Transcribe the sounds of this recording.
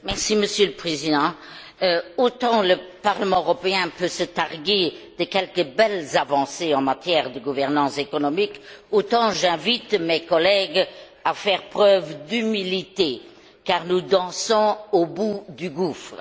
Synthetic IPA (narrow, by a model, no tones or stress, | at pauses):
mɛʁsiməsjøləpχezid̪ɑ̃ | ot̪ɑ̃ləpaʁləmɑ̃øʁɔpeɛ̃pøsət̪aʁɡed̪̥əkɛlkəbɛlzavɑ̃seɑ̃mat̪jɛʁd̪əɡuvɛʁnɑ̃sekɔnɔmikot̪ɑ̃ʒɛ̃vit̪mekɔlɛɡ | afɛːʁpχœvd̪ymilit̪e | kaːʁnud̪ɑ̃sɔ̃obud̪yɡufʁə